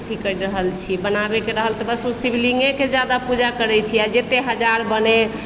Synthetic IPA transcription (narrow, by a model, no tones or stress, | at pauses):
t̪ʰikəɾiɾəɦəlt͡ʃʰibənabekeɾəɦəlt̪əbəsusibiliŋɡẽked͡ʒad̪apud͡ʒakəɾɛt͡ʃʰiad͡ʒet̪eɦəd͡ʒaɾbəne